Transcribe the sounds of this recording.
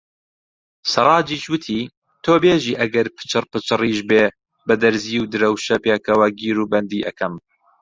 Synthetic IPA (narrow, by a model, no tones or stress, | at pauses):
sɨɾˤɑːd͡ʒiːʃwɨt̪ʰiː | t̪ʰoːbeːʒiːʔɐɡɐɾpʰɨ̥t͡ʃɨrpɨt͡ʃɨriːʃbeː | bɐd̪ɐɾziːwd̪ɨɾɐwʃɐpeːkɐwɐɡiːɾuːbɐnd̪iːʔɐ̰kʰɐm